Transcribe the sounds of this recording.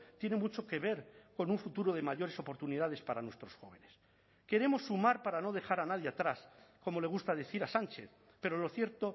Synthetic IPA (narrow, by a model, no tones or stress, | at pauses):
t̪je̞ne̞mut͡ʃo̞ke̞β̞e̞ɾko̞nuɱfut̪uɾo̞ð̞e̞maʝo̞ɾe̞sopo̞ɾt̪uniðað̞e̞spaɾanwe̞st̪ɾosxo̞̰β̞e̞nes | ke̞ɾe̞mo̞sːumaɾpaɾano̞ð̞e̞xaɾanaðjeat̪ɾaskomo̞le̞ɣust̪að̞e̞θiɾasant͡ʃe̞̰θ | pe̞ɾo̞lo̞θje̞ɾt̪o̞